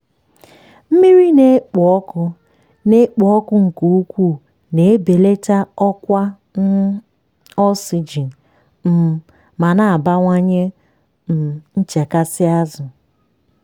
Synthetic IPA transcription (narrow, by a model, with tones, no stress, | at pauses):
m̩˦mi˦ɾi˦ne˦k͡pɔ˦kʊ˦ | ne˦k͡pɔ˨˦ɔ˦kʊ˦ŋ̩˨ku˨˦u˦kʷu˦˨ | ne˨˦be˨le˦ta˦ɔ˦kʷa˦ | n˦ | ɔ˦si˨d͡ʒi˨n˨ | m̩˨ | ma˨na˨a˨ba˦ŋʷa˦ɲe˦ | m̩˨n̩˦t͡ʃe˨ka˦sɪ˦a˦zʊ˨